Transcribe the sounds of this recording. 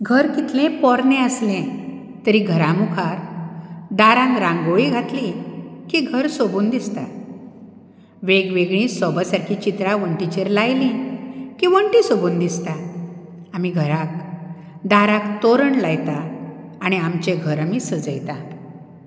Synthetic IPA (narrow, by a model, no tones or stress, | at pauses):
ɡʱəɾkit̪lẽpɔɾnẽəslẽ | t̪əɾiɡʱəɾãmukʰaɾ | d̪aɾãŋkɾãŋɡoɭiɡʱat̪lĩkiɡʱəɾsobuːnd̪ist̪a | ʋeɡʋeɡɭĩːsɔbəsaɾkʰit͡ɕit̪ɾaʋəɳʈit͡ɕeɾlajlĩkiʋəɳʈisobuːnd̪ist̪a | amiɡʱəɾak̚ | d̪aɾãkt̪oɾəɳlajt̪aː | ɽ̃iamt͡ɕeɡʱəɾamisəd͡zəjt̪a